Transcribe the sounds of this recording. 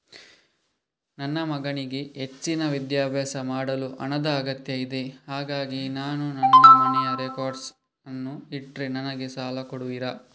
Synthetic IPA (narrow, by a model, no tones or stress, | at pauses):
nɐnːɐmɐɡɐɳiɡe̞ɦet͡ʃːinɐʋid̪jaːbɛːsɐmaːɽɐluʔɐ̰nɐd̪ɐːɡɐt̪jɐjid̪ehaːɡaːɡinaːnunɐnːɐmɐnɛjɐɾekoːɾɖs | ɐnːuiʈɾinɐnɐɡesaːlɐkoɽuʋiɾɐ